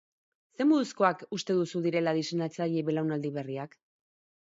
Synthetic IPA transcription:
se̞muð̞usko̞akust̪e̞ðusuðiɾe̞laðisenat͡saʎe̞βe̞lawnald̪iβ̞e̞riak

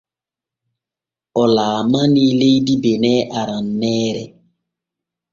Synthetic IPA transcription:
ɔlaːmanilejdibenɛʔaɾanːɛːɾɛ

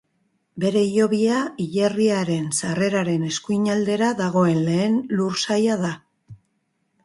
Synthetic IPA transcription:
be̞ɾe̞ijo̞βiaiʎeriaɾe̞nsare̞ɾaɾe̞ne̞skujɲald̪e̞ɾaðaɣ̞o̞e̞nle̞ːnluɾsajað̞a

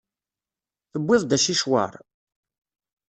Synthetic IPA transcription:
θəbːɪðˤd̪æʃiʃwa̰ɾˤ

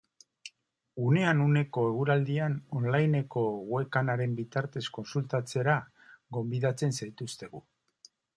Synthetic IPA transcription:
une̞anune̞ko̞e̞ɣ̞uɾald̪iano̞nlajne̞ko̞ɣwe̞kanaɾe̞mbit̪aɾt̪e̞sko̞nsult̪at͡se̞ɾa | ɡo̞mbiðat͡se̞nsajt̪ust̪e̞ɣu

